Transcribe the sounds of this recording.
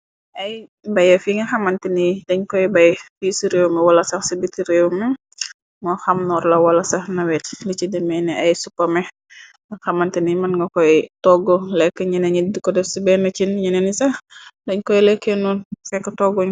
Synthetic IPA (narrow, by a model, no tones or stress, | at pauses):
ɐjbɐjɐfiŋɐxɐmɐntinidɐɲkɔjbɐjfisiɾewmɛwɐlɐsɐhsibitiɾewmɛ | ŋɔxɐmnɔɾlɐwɐlɐsɐhnɐwɛːtlit͡ʃidɛmɛnɛʔɐjsupːɐmɛ | ŋɐxɐmɐntinimɐnŋɡɐkɔjtɔɡɔlɛkːəɲɐnɛɲidikɔdɛfsibɛnɐt͡ʃinɲɐnɛnisɐhdɐɲkɔjlɛkʰːɛnunfɛkːətɔɡɔɲ